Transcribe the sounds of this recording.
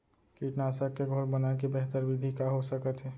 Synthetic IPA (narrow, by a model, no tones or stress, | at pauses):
kiʈnasakːeɡʱoɾbənakebeɦt̪əɾʋid̪ʱikaɦosəkət̪ɦɛ